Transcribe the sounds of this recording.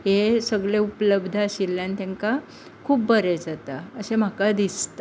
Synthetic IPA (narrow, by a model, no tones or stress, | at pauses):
ɦesəɡɭeupələbd̪ʱəəɕilːãnt̪ãŋka | kʰuːbbəɾed͡zat̪aəsem̤akad̪ist̪